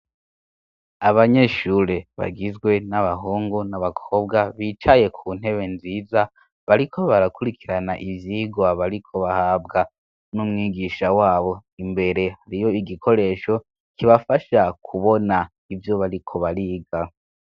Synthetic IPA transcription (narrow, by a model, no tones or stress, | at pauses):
aβaɲe̞ʃuːɾe̞βa̰ɡizɡwe̞naβaɦuːŋɡunaβakʰobɡaβiːt͡ʃaje̞kʰuːn̥ɦe̞βe̞nziːza | βaɾikʰo̞βaɾakuɾikʰiɾanaʔivjiːɡwaβaɾikʰo̞βahaːbɡa | numŋiːɡiʃawaːβo̞imbe̞ɾe̞haɾijo̞iɡikʰo̞ɾe̞ːʃo̞ | kiβafaʃakʰuβo̞na | ivjo̞βaɾikʰo̞βaɾiːɡa